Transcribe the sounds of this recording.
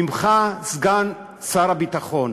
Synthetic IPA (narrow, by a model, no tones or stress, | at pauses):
imχazɡan | saɾabit̪aχon